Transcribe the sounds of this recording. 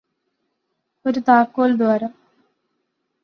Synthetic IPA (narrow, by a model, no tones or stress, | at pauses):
oɾut̪aːkːoːld̪ʋaːɾɐm